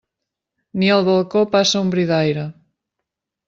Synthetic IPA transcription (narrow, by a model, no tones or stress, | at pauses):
nialβalˠkopasaumbɾiðajɾɐ